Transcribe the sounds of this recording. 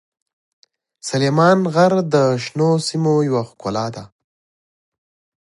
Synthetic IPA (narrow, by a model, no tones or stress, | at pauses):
salemɑnɣaɾd̪əʃnosimojawaxkolɑd̪a